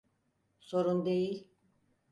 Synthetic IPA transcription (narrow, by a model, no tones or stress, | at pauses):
so̞ɾund̪e̞jilʲ